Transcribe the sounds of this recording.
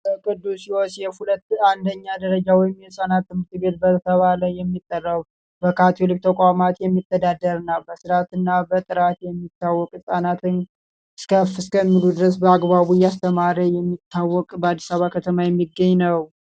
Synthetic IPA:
bəkʼɨd̪ːusiwɔsjɛhulət̪ːand̪əɲːad̪əɾəd͡ʒawɔjɪmjɛsʼanat̪ːɨmɨɾt̪ʰɨbet̪̚bət̪ʰəβaləjːɛmːit̪ʼːərːəβu | bəkʰat̪ʰelɨk̚t̪ʰəkʼamat̪jɛmːit̪ʰːəd̪ad̪ːəɾɨnːawbəsɨɾat̪ɨnːabət̪ʼɨɾat̪jɛmːit̪ʰːawːɔkʼɨsʼanat̪ʰɨn | ɨskʰəfɨskʰəmːilud̪ɨɾəs̬bəaɡβaβujast̪ʰəmaɾəjɛmːit̪ʰːawːɔkʼbəad̪ːi̥saβakʰət̪ʰəmajɛmːiɡːəɲːnəw

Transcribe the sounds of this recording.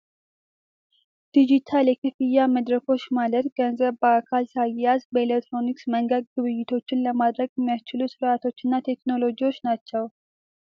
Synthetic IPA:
d̪̥id͡ʒit̪ʰaljɛkʰɨfɨjːaməd̪ɾəkʰo̞t͡ʃːmalət̪ɡənzəβbəakʰalsajɛjasbəelekt̪ːɾo̞niksməŋɡəd̪̚ɡɨβɨjːɪt̪ʰo̞t͡ʃːɪnləmad̪ɾəɡjɛmːijast͡ʃɪlusɨɾat̪ʰo̞t͡ʃːɨnːat̪ʰe̞kno̞lo̞d͡ʒiwo̞t͡ʃːnat͡ʃːɛw

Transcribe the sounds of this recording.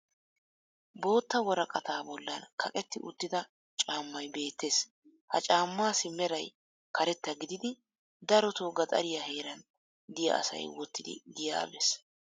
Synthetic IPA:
bo̞ːt̪ːɐwɔɾɐkʼɐt̪aːbɔlːɐ̰nkʰɐkʼɛt̪ːɪʔʊ̰t̪ːɪd̪ɐ | t͡ʃʼaːmːɐjbe̞ːt̪ːe̞ːs | hɐ̰t͡ʃʼaːmːaːsɪmːɛɾɐj | kɐɾɛt̪ːɐɡɪd̪ɪd̪ɪ | d̪ɐɾɔt̪oɡɐt̪ʼɐ̰ɾɪjɐhe̞ːɾɐn | d̪ɪjɐ̰ʔɐ̰sɐ̰jwɔt̪ːɪd̪ɪ̰ɡ̪ɪja̰bɛs

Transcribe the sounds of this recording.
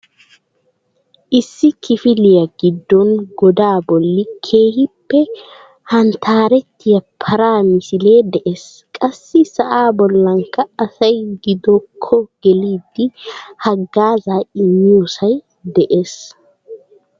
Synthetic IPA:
ʔɪsːɪkɪfɪlɪjɐɡɪd̪ːɔnɡɔd̪aːbɔlːɪkʰe̞ːhɪpːɛ | hɐnt̪ʰaːɾɛt̪ːɪjɐpʰɐɾaːmɪsɪle̞ːd̪ɛʔeːs | kʼɐsːɪsɐʔaːbɔlːɐŋkːɐɐsɐjɡɪd̪ɔkʰːɔɡ̥ɛliːd̪ːɪhɐɡːaːzaːɪmːɪjusɐj | d̪ɛʔe̞ːs

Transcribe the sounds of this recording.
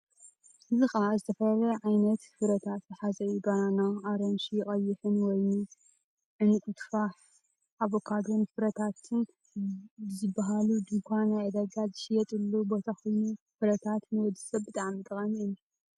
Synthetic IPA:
ʔʔɨzɨxazɨt̪ʰɐfɐlɐlɐʕajnɐt̪fɨɾɐt̪ʰat̪zɨħazɐibɐɾanaʔaɾɐnʃijɪkʼɐjːɪħɨnwɔjnu | ʕɨnɨkʼut̪faħ | aβokʰad̪ɾonfɨɾɐt̪ʰat̪ʰɨn | bɨzɨbːaɦalud̪ɨŋkʷʰanajʕɨd̪ɐɡazɨʃɪjɛt̪ʼɨlːubo̞t̪ʰakʰo̞jnu | fɨɾɐt̪ʰat̪nɨwɔd̪ɨsɐβbɨt̪ʼaʕmit̪ʼɨxʼɐnnːu

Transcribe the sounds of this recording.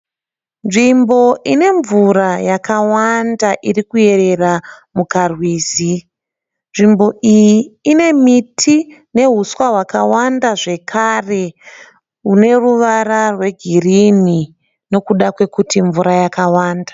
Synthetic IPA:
nʐimbo̞ʔine̞ɱvuɾajakawandaʔirikue̞re̞ramukarwiːzi | nʐimbo̞ʔijiːne̞mitʰine̞ɦuswaɦwakawandaʐe̞kʰaːre̞ | une̞ruʋararwe̞ɡʱirini | no̞kuɗakwe̞kutiɱvuɾajakawaːndḁ

